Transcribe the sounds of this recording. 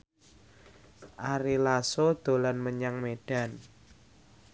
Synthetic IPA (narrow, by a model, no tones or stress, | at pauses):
ʔaɾilasod̪̥o̤lanməɲaŋmeɖ̥a̤n